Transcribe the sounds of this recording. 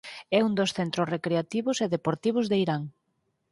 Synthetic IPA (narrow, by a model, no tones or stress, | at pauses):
ɛund̪osθent̪ɾosrekɾeat̪iβʊseðepoɾt̪iβ̞ʊzðeiɾaŋ